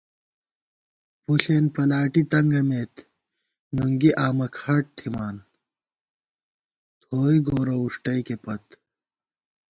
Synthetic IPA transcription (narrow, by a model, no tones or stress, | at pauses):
puɕeːnpɐlaːʈit̪ɐŋɡɐmeːt̪ | nuŋɡiʔaːmɐkʰhaːʈ̚t̪ʰimaːn | t̪ʰoːiɡoːɾouʂʈɐikepɐt̪